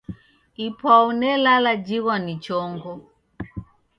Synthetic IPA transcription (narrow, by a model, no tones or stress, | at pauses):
ipʰwaunɛlalad͡ʒiɣwanit͡ʃɔŋɡɔ